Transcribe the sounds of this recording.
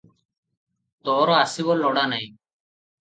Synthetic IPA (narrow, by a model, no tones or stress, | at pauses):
t̪oːɾoaːsiʋoːlːoːɽaːnaĩː